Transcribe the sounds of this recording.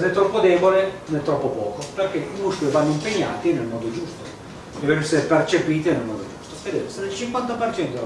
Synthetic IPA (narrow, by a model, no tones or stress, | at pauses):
nɛt̪ːɾɔpːod̪ɛːbolenɛt̪ːɾɔpːopɔːkoperk̟eimuskoivanːoimpeɲːa̰ːt̪inelmɔːd̪od͡ʒust̪o | eveneseɾepert͡ʃepiːt̪inelmɔːd̪od͡ʒust̪o̥ved̪et̪esenelt͡ʃiŋkwant̪apert͡ʃɛnt̪o